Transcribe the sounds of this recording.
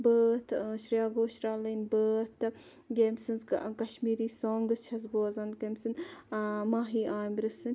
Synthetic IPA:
bəːt̪ʰʃɾjaːɡoːʃɾaːlinbəːt̪ɨ | ɡeːmsɨnzkɐʃmiːɾiːsoːŋɡɨst͡ʃʰɐzboːzɐnkemsɨn | maːɦiːʔaːmɾɨsɨn

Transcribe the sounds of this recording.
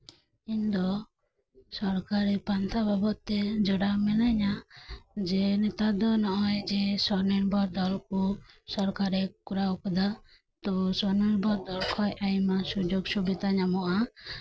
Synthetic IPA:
iɲd̪ɔ | sɔɾkaɾɛpant̪ʰababɔʔt̪ɛd͡ʒɔɽamɛlaɲa | d͡ʒɛnɛt̪ad̪ɔnɔʔɔjd͡ʒɛsɔɾnɛɾbɔɾd̪ɔlkusɔɾkaɾɛkuɾaɔkɔd̪a | t̪ɔsɔɾniɾbɔɾd̪ɔlkʰɔjʔajmasud͡ʒɔɡsubid̪aɲamɔʔa

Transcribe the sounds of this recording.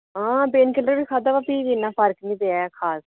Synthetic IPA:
ɦãːbeːnkɪləɾʋiːkʰaːd̪aːʋaːpiːʋinːãːpʰəɾknĩːd̪eakʰaːs

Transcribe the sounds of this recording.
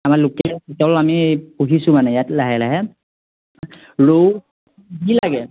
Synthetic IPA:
amaɹlʊkɛitalamipuɦisʊmanɛjatlaɦɛlaɦɛ | ɹo | ɡilaɡɛ

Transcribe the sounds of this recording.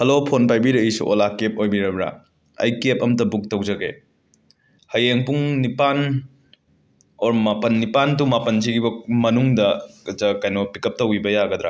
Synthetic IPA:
hɐlopʰonpajbiɾɐisṵʔolakep̚ojbiɾɐbɾa̰ | ɐ̰jkep̚ɐmtɐbuk̚tɐwd͡ʒɐɡe | hɐjeŋpuŋnipan | oɾmapɐnːipant̬umapɐnsiɡibɐmɐnuŋdɐzɐkajnopikɐp̚tɐwibɐjaɡɐd̪ɾa̰

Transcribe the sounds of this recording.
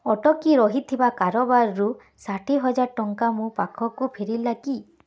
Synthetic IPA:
ɔʈɔkiɾɔɦit̪ʰibakaɾɔbaɾːu | saʈʰiɦɔd͡ʒaɾʈɔŋkamũpakʰɔkupʰeɾilaki

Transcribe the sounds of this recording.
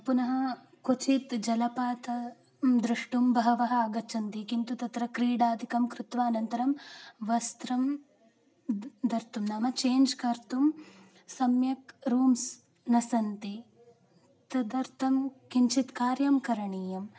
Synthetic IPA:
punɐɦɐ | kut͡ʃit̪d͡ʒɐlɐpaːt̪ɐ | d̪ɾuʂʈumbɐɦɐʋɐɦɐːɡɐt͡ʃʰɐnt̪ikint̪ut̪ɐt̪ɾɐkɾiːɖaːd̪ʱikɐmkɾɪt̪ʋaːnɐnt̪ɐɾɐmʋɐst̪ɾɐm | d̪ɐɾt̪umnaːmɐt͡ʃeːnd͡ʒkɐɾt̪um | sɐmjɐkɾuːms | nɐsɐnt̪i | t̪ɐd̪ɐɾt̪ʰɐmkiɲt͡ʃʰit̪kaːɾjamkɐɾɐɳiːjɐm

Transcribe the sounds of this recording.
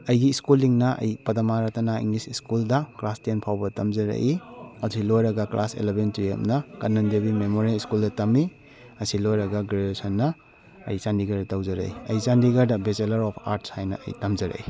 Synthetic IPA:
ɐjɡiːskulːiŋnɐʔɐ̰jpɐdɐmaɾɐtɐnaḭŋlisiskuldɐklastienpʰawbɐtɐmzɐɾɐ̰ʔiɐsʰilojɾɐɡɐklasḛlebentuḛmnɐkɐnːɐndebimemoɾiaiskuldɐtɐmi | ɐsilojɾɐɡɐɡɾeesɐnːɐ | ɐ̰jsandiɡɐɾdɐtɐwzɐɾɐ̰iɐjsandiɡɐɾdɐbeselɐɾɔpʰa̰ɾtshajnɐ̰ɐ̰jtɐmzɐɾɐ̰i

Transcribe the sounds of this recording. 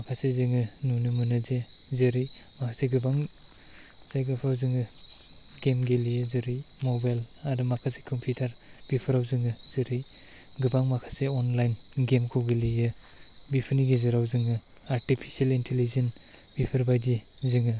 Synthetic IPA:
makʰasezɯŋɯnunɯmɯnɯze | zɯɾimakʰaseɡɯbaŋ | z̥ajɡapʰɾawzɯŋɯ | ɡemɡelijɯzɯɾimɔbajladɯmakʰase̥kʰɔmpʰjutʰaɾ | b̥ipʰɯɾawzɯŋɯzɯɾi | ɡɯbaŋmakʰaseɔnlajnɡemkʰowɡelijɯ | bipʰɯniɡezɯɾawzɯŋɯ | aɾtipʰi̥sielintʰelizenbipʰɯɾbajdi | zɯŋɯ

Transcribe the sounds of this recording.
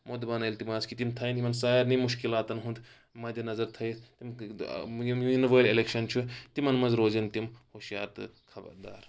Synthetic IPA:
mod̪baːnɐilt̪imaːskit̪imt̪ʰɐjnimɐnsaːiɾnimuʃkilaːt̪ɐnɦund̪ | mɐːd̪ʲjɐnɐzɐɾt̪ʰɐit̪im | imnʋɐːlelekʃɐnt͡ʃʰut̪imɐnmɐzɾoːzɐnt̪imhoːʃja̰ːt̪ɨkʰɐbɐ̰ɾd̪a̰ːɾ

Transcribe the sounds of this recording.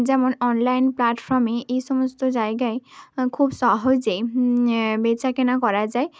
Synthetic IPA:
d͡ʑɛmonɔnlajnplaʈfɔɾmeʔejʃɔmost̪od͡ʑaeɡaekʰubsɔɦod͡ʑe | bet͡ɕʰakenakɔɾad͡ʑae

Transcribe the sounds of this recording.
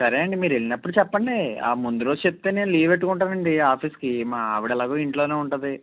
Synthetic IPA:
sɐɾeːɐɳɖimiːɾeɭinɐpːuɽut͡ʃɛpːɐɳɖea̰ːmund̪uɾoːzt͡ʃep̚t̪ːene̞ːnuliːʋeʈːukuɳʈaːɾɐɳɖiaːpʰiːskimaːɐʋiɽɐlaːɡuːiɳʈlo̞ːneːuɳʈnːd̪i

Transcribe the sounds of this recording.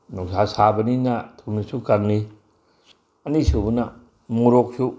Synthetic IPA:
nuŋsasabɐninatʰunisukaŋni | ɐnisubuna | muɾok̚su

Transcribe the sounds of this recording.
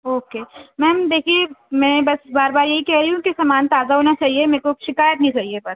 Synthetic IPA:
oːkeːmɛ̃ːɦɐmd̪eːkʰiemɛ̃bɐsbaːɾbaːɾjɐɦikɛɦɾɐiɦũkisaːmaːnt̪aːzaɦoːnat͡ʃaːɦiemẽːkoʃɪkaːjət̪nĩt͡ʃaːɦiebɐs

